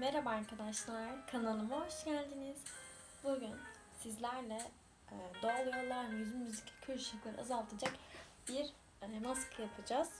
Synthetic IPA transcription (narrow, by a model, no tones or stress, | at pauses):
meɾabajmkʰad̪aʃlˠaɾkʰanalˠɯmaoʃɟælʲd̪iniz̥ | buɟyn | sizlʲæɾlʲɛ | d̪oːlˠujo̞ɾlˠaɾmmyzynmyzicʰʲcʰøɾʃiclʲeɾḭazalˠt̪ʰɯd͡ʒakbiɾ | nasɯ̥lˠjapʰɯd͡ʒaz̥